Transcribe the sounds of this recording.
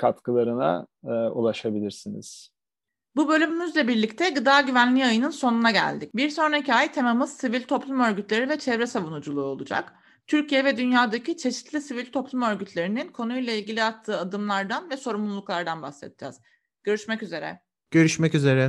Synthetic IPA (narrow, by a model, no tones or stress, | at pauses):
kʰat̪kʰɯlˠaɾɯna̰ulˠaʃabilʲiɾsinḭz̥ | bubølʲymymyzlʲɛbiɾlʲict̪ʰɛɡɯd̪aːɟyvænlʲiajɯnɯnso̞nunaɟæ̰lʲd̪ic̚biɾso̞nɾaicʰajt̪ʰe̞mamɯz̥sivilʲt̪ʰo̞plˠumø̞ɾɟyt̪lʲe̞ɾivɛt͡ʃʰɛvɾɛsavunud͡ʒulˠuːo̞lˠud͡ʒa̰k | t̪ʰyɾcijɛvɛd̪ynjaːd̪acit͡ʃʰe̞ʃi̥t̪lʲisivilʲt̪ʰo̞plˠumø̞ɾɟyt̪ʰlʲe̞ɾininkʰo̞nujlˠailʲɟilʲiat̪ʰːɯːad̪ɯmlˠaɾd̪anvɛso̞ɾumlulˠuklˠaɾd̪anbaxsḛt̪̚ʰid͡ʒa̰z̥ | ɟ̥ø̞ɾyʃmɛcyze̞ɾɛ̰ | ɟ̥ø̞ɾyʃmɛcyze̞ɾɛ